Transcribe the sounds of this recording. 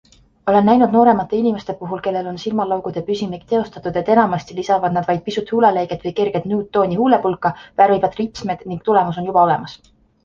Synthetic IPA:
o̞le̞nːæjnud̪no̞ːɾe̞mɑt̪ːˑe̞inʲime̞st̪e̞puɦulke̞lːe̞lo̞nsilmɑlɑwɡ̥ud̪̥e̞pysʲimikt̪e̞o̞st̪ɑt̪ːˑud̪̥e̞t̪ːe̞nɑmɑst̪ilisɑvɑd̪nɑd̪̥vɑjd̪̥̚pisut̪ˑhuːlelejɡet̪vɤjke̞rɡ̥ed̪̥nuːt̪ːo̞ːnʲihuːle̞pulkːˑɑvæːɾejbɑd̪̥ripsmed̪̥niŋɡ̥̚t̪ule̞mus̬o̞njubɑo̞le̞̰mɑs

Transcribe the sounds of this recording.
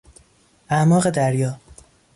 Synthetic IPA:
ʔæmɒːɣed̪æɾjɒː

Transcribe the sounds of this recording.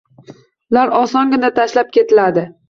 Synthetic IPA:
laɾɒsɒŋɡʲɪnat̪ʰaʃlap̚kʲe̞t̪ʰɪlad̪ɪ

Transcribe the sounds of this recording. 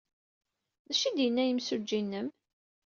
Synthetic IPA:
ðæʃid̪jənːæjəmsud͡ʒːinːəm

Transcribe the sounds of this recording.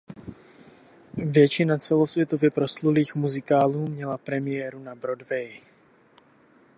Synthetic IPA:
vjɛt͡ʃɪnat͡sɛlo̞svjɛt̪ovɪpɾo̞sluliːxmuzɪkaːluːmɲɛlapɾɛmɪjɛːɾunabɾodvɛj

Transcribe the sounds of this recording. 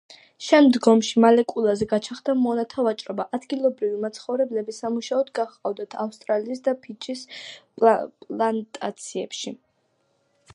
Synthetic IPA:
ʃɛmd̪ɡɔmʃimalɛkʼulˠazɛɡat͡ʃʰaχd̪amɔnat̪ʰavat͡ʃʼɾɔbaʔad̪ɡilˠɔbɾivimat̪sʰχɔvɾɛblɛbisamuʃaɔd̪ɡaχqʼavd̪at̪ʰafst̪ʼɾaliːs̬d̪apʰit͡ʃʼisʼ | pʼlant̪ʼa̰t̪sʰiɛpʃi

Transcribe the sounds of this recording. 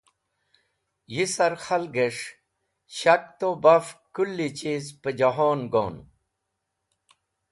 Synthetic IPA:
jisɐɾxɐlɡeʂ | ɕɐk̚t̪obɐfkulːit͡ɕizpəd͡ʑɐɦoːnɡo̰ːn

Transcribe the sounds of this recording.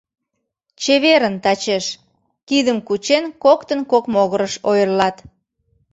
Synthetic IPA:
t͡ɕeβeɾənt̪ɑt͡ɕeʃ | kid̪əmkut͡ɕenkokt̪ənkokmoɣəɾəʃojərlɑt̪

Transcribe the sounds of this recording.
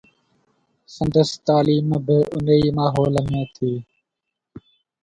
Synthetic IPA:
sənd̪əst̪aːliːmbɪʔʊniːmaːɦoːlmẽːt̪ʰiː

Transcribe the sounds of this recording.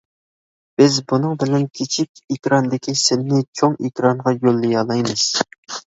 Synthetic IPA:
b̥ɪzbunɨŋbɪlɛnkʲʰet͡ʃʰikʲikʲɾɑnd̪ɪkʲisɪnnɪt͡ʃʰoŋikʲɾɑŋʁɑjolˠːijɑlˠɑjmɨz̥

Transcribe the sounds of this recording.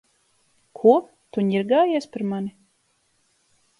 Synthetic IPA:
kʰuɔ | t̪uɲiɾɡaːjɛɛspʲaɾmani

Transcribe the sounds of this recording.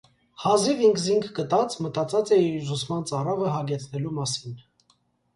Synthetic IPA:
hɑziviŋkʰziŋkʰɡət̪ɑt͡smət̪ɑt͡sɑt͡sɛizusmɑnt͡sɑrɑvəɦɑɡɛt͡sʰnɛlumɑsin

